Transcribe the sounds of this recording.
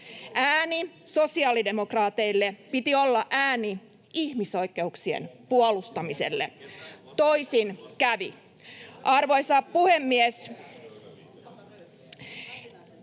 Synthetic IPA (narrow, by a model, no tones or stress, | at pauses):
ʔæːniso̞siɑːlide̞mokrɑːt̪e̞ilːepit̪iolːɑʔæːni | ihmiso̞ikːˑe̞uksiḛnpuolust̪ɑmise̞̰lːḛt̪oisinkæʋḭ | ʔɑrʋo̞isɑpuhemːies